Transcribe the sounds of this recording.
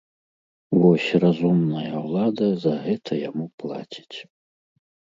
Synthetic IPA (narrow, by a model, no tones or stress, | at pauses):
wosʲrazumnajawlˠad̪azaɦɛtʰajamupʰlˠa̰tʲʰi̥tʰʲʼ